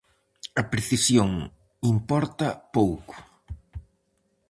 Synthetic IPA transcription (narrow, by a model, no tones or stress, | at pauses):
ɐpɾeθisjoŋ | impɔɾt̪ɐpowkʊ̥